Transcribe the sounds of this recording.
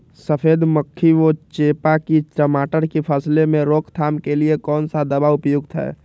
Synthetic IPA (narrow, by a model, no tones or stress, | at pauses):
səpʰeːd̪məkʰːiot͡ʃeːpakiʈəmaːʈəɾkipʰəslemẽɾoːkʰt̪ʰaːmkeliekɔːnsad̪əbaʊpjʊɡt̪ɦɛ̰ː